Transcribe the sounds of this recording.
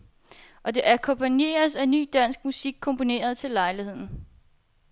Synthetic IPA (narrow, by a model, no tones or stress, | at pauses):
ʔɒ̽d̥e̝ʔækʰɒ̽mpʰænje̝̰ːɐsæny̰ːd̥æn̰sɡ̥musiɡ̥̚kʰːɔ̽mpʰo̝ne̝̰ːɐð̞̩ˠt͡sʰe̝lːɑ̈ɪlihe̝ð̞̰ˠn̩